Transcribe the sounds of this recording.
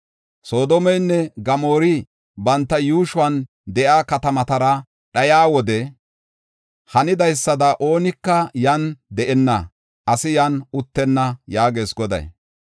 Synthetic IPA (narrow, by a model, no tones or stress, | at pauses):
so̞ːd̪ɔmɛjnːɛɡɐmo̞ːɾɪ | bɐnt̪ːɐjuːʃʊɐn | d̪ɛʔaːkɐt̪ɐmɐt̪ɐɾɐ | ɗɐjaːwɔd̪ɛ | hɐnɪd̪ɐjsːɐd̪ɐʔo̞ːnɪkːɐjɐnd̪ɛʔɛnːɐ | ʔɐsɪjɐnʊt̪ːɛnːɐjaːɡeːsɡɔd̪ɐ̰j